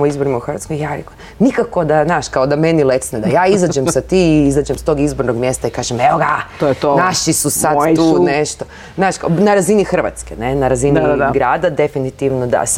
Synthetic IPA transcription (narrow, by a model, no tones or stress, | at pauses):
moizboɾimauxɾʋa̰t̪kojjaɾeko | nikako̞d̪aznaːʃkaod̪amenilet̪sned̪ajaːizad͡ʒemsat̪iːizaːd͡ʒemst̪o̞ɡizbo̞ɾno̞ɡmje̞st̪aikaːʒemeoɡat̪ojet̪onaʃisusad̪uːneʃt̪o | znaːʃkanaɾazinixr̩ʋa̰t̪skene̞naɾazinaɡɾaːd̪ad̪efinit̪iʋnod̪a̰s